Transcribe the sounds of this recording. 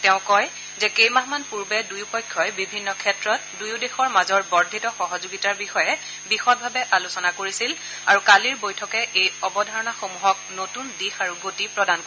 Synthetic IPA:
tɛʊ̃kɔj | zɛkejmaɦmanpuɹbɛdujupɔjkʰːɔjbibʱinːɔkʰɛtɹɔt̚dujudexɔɹmazɔɹbɔɹdʱitɔxɔɦɔzoɡitaɹbixɔjɛ | bixɔt̚bʱabɛʔalusɔnakoɹisil | aɹukaliɹbojtʰɔkɛʔejɔbɔdʱaɹɔnaxomuɦɔk̚notundixaɹuɡotipɹɔdan

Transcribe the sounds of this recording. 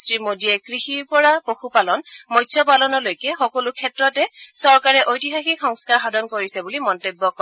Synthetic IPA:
stɹimodiɛkɹixiɹpɔɹapoxupalɔnmɔjtsɔpalɔnɔlojkɛxɔkɔlukʰɛtɹɔtɛsɔɹkaɹɛʔojtiɦaxikxɔŋskaɹxadʱɔnkoɹisɛbulimɔntobːɔkɔ

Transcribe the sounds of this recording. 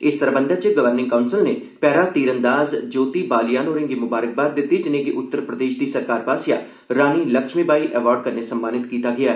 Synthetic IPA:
ɪst̪əɾbə̃nd̪ʱət͡ʃəɡəʋəɾnɪ̃ŋkaːʊnsɪlneː | pɛːɾaːt̪iːɾənd̪aːzd͡ʒoːt̪iːbaːlɪjaːnoːɾẽŋɡiːmʊbaːɾək̚baːd̪̚d̪ɪt̪ːiːd͡ʒɪnẽːɡiʔʊt̪ːəɾpɾəd̪eːʃd̪iːsəɾkaːɾbaːsja̰ː | ɾaːniːləkʃmiːbaːiʔɛːʋaːɾɖ̚kəɾnesəmːaːnɪt̪kiːt̪aːɡɪaː

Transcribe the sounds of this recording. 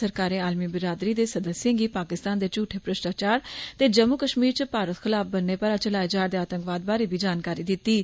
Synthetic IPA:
səɾkaːɾẽːaːlmiːbɪɾaːd̪ɾiːd̪eːsəd̪əsjẽːɡiːpaːkɪst̪aːnd̪eːt͡ʃuːʈʰːeːpɾəʃʈaːt͡ʃaːɾt̪eːd͡ʒəmːukəʃmiːɾt͡ʃəpaːɾət̪xʰɪlaːfʰbənːeːpəɾaːt͡ʃəlaːed͡ʒaːɾd̪eːaːt̪ə̃ŋkʋaːd̪̚baːɾeːbiːd͡ʒaːnkaːɾiːd̪ɪt̪ːiː

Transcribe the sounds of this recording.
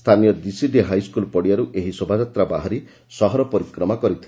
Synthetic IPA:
st̪ʰanijɔd̪isid̪ʱeɦajskulpɔɽijaɾuʔeɦisobʱad͡ʒat̪ɾabaɦaɾi | sɔɦɔɾɔpɔɾikɾɔmakɔɾit̪ʰil

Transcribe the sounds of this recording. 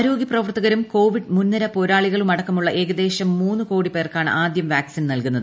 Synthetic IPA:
ɐɾo̞ːɡiɐprɐʋɐrt̪ːɐɣɐɾumko̞ːʋiɖmunːɐɾɐpo̞ɾaːɭiɣɐɭumɐɽɐkːɐmuɭːɐʔe̞ːɣɐd̪e̞ːɕɐmːuːnːɨko̞ːɽipe̞ːrkaːɳɨ̰ʔaːd̪jɐmʋaːksinnɐlkunːɐðɨ

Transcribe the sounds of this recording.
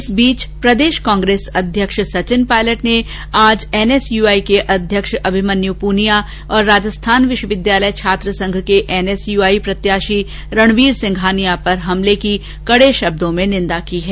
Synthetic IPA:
ɪsbiːt͡ʃpɾɐd̪eːʃkãːŋɡɾeːsɐd̪ʱjəkʃsɐt͡ʃɪnpaːɪləʈne | aːd͡ʒɛːnɛsjuːaːikeʔɐd̪ʱjəkʃɐbʱɪmɐnjupuːnija | ɔːɾːaːd͡ʒəst̪ʰaːnʋɪʃwəʋɪd̪jaːləjt͡ʃʰaːt̪ɾəsɐ̃ŋɡʱkeʔɛːnɛːsjuːaːipɾɐt̪jaːʃi | ɾɐɽ̃ʋiːɾsɪ̃ŋɡʱaːnijapɐɾɦɐmleki | kɐɽeʃɐb̚d̪õmẽnɪ̃nd̪akiɦɛː

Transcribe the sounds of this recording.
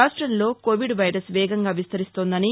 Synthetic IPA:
aːʂʈɾɐnlo̞ːkoːʋiɖʋɐjɾɐsʋɛːɡɐŋɡaːʋist̪ɐɾist̪oːnd̪ɐni

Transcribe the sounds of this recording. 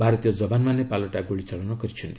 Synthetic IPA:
bʱaɾɔt̪ijɔd͡zɔbanmanepalɔʈaɡoɭit͡sɔɭɔnɔkʌɾit͡ʃʰunt̪i

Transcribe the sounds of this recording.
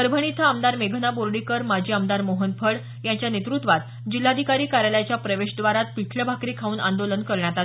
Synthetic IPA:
əɾbʱəɳ̃it̪ʰaəmd̪aɾmeɡʱənaboɾɽikəɾmad͡ʑʱiːəmd̪aɾmoɦənpʰəɽ | jaɲt͡ɕjanet̪ɾut̪ʋat̪ | d͡ʑilːad̪ʱikaɾiːkaɾjaljat͡ɕjapɾəʋeɕd̪ʋaɾat̪piʈʰləbʱakɾiːkʰauːna̰nd̪olənkəɾɳjat̪a

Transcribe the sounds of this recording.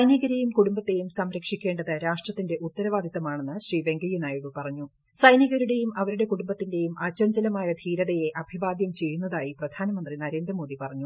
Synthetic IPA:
ɐjnjiɣɐɾejumkuɽumbɐt̪ːe̞jumsɐmɾɐkʂikʲːe̞ːɳɖɐðɨɾaːʂʈrɐt̪ːinde̞ʔut̪ːɐɾɐʋaːd̪ʱit̪ːɐmaːɳe̞nːɨɕriːʋe̞ŋɡɐjinaːjiɽupɐrɐɲːu | sɐjnɐɣɐɾuɽe̞jumɐʋɐɾuɽe̞kuɽumbɐt̪ːinde̞jumʔɐt͡ɕːɐɲd͡ʑɐlɐmaːjɐd̪ʱiːɾɐðejeʔɐbʱiʋaːd̪jɐmt͡ɕe̞jːunːɐðaːjiprɐd̪ʱaːnɐmɐnd̪rinɐɾe̞ːnd̪rɐmo̞ːðipɐrɐɲːu

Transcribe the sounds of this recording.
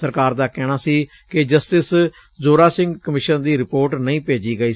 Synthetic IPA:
əɾkaːɾd̪aːkɛːɽ̃aːsiː | kɪd͡ʒəsʈɪs | zoːɾaːsɪ̃ŋɡkəmɪʃənd̪iːɾɪpoːɾʈnəĩːpeːd͡ʒiːɡəiː

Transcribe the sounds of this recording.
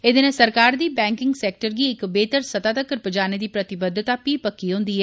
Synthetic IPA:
ed̪enẽːsəɾkaːɾd̪iːbɛ̃ːŋkɪŋɡsɛːk̚ʈəɾɡiːɪkbeːt̪əɾsət̪aːt̪əkːəɾpəd͡ʒaːneːd̪iːpɾət̪ɪbəd̪t̪aːpiːpəkːiɦʊ̃ːnd̪iːɦɛː

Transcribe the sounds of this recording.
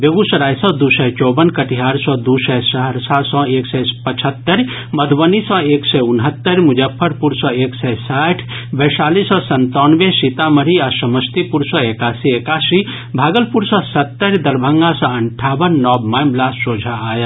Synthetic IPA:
beɡusəɾaːjsɔ̃d̪usɛt͡ʃɔːbənkɐʈiɦaːɾsɔ̃d̪usɛsəɦəɾsasɔ̃eːksɛpət͡ʃʰət̪ːəɾ | məd̪ʱʋənisɔ̃eːksɛʊnɦət̪ːəɾmʊd͡ʒəpʰːəɾpuɾsɔ̃eːksɛsaːʈʰ | bɛsaːlisɔ̃sɐnt̪ɔːnʋesit̪aməɾiasɐməst̪ipuɾsɔ̃ekaːsiekaːsi | bʱaːɡəlpuɾsɔ̃sɐt̪ːəɾd̪ɐɾbʱəŋɡasɔ̃ɐɳʈʰaːbənːɔːbmamlaːsːoːd͡ʒʱaaːjə

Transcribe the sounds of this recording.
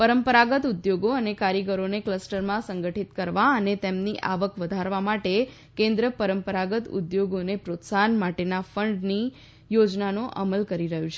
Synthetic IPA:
pəɾəmpəɾaɡət̪ud̪joɡoənekaɾjəɡəɾonekləsʈəɾmãsəŋɡəʈʰit̪kəɾʋaənet̪emniʔaʋəkʋəd̪ʱaɾʋamaʈe | kẽnd̪ɾəpəɾəmpəɾaɡət̪ṵd̪joɡonepɾot̪sanmaʈenafəɳɖni | jod͡ʒnanoʔa̰məlkəɾiɾəɦjũt͡ʃʰe

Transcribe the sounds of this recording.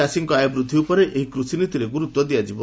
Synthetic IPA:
asiŋkɔajɔbɾud̪ʱːiupɔɾeʔeɦikɾusinit̪iɾeɡuɾut̪wɔd̪ijad͡ʒibɔ

